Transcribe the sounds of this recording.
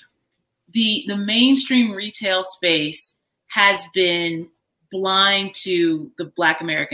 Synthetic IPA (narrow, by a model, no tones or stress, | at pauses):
ðiðɨmẽɪ̃nstɹ̥ĩmɹitʰeɪlˠspeɪs | hɨzbɪ̃n | b̥lãɪ̃ŋtʰɨðɨblækɨmɛɹɨkɨ̃